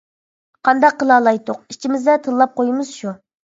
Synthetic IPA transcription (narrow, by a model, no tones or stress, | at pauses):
qʰɑnd̪ɑqʰːəlˠɑːlˠɑjt̪oq̚it͡ʃʰimɪzd̪ɛt̪ʰəlˠːɑp̚qʰojmɨz̥ʃu